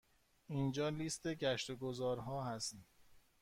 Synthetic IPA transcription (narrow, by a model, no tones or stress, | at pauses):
ind͡ʒɒːlist̪e̞ɟæʃt̪oɡozɒːɾɦɒːɦæst̪ːm